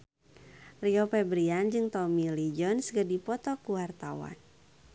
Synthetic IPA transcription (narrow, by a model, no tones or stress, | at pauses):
riɔpɛbɾiand͡ʒɨŋt̪ɔmilid͡ʒɔnsɡərdipɔt̪ɔkuwart̪awa̰n